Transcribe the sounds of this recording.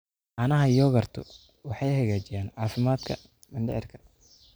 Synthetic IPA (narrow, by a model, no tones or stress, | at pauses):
ʔɑnɐɦɐjɔːɣɐrt̪ʰʊ̰ | wɑħɑjhɐɣaːt͡ʃɪjaːnʕɑːfɪmaːd̪kʰɐ̰ | mɐndɛʕɪrkʰɐ̥